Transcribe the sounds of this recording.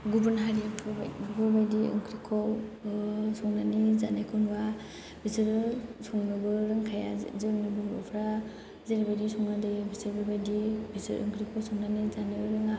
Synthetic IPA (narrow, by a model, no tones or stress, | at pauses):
ɡubɯnɦaɾiapʰɯpʰɯbajdiɯ̰ŋkʰɾikʰɔw | sɔŋnanizanajkʰɔnba | bisɯɾsɔŋnɯbɯɾɯŋkʰaja̰zeŋnɯbɯɾbɔ̰pʰɾa | zeɾibajdisɔŋnadɯjɯbisɯɾbɯbajdibisɯ̰ɾɯ̰ŋkʰɾikʰɔwsɔŋnanizanɯɾɯŋa